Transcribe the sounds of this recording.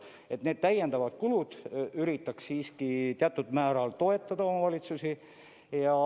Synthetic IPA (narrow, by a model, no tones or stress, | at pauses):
e̞t̪ne̞ːd̪̥̚t̪æjend̪ɑvɑd̪̥̚kulud̪̥yɾit̪ːˑɑksːiːskit̪eɑt̪ːˑud̪̥mæːɾɑlt̪o̞e̞t̪ˑːɑd̪ɑo̞mɑvɑlʲit̪susi | jɑ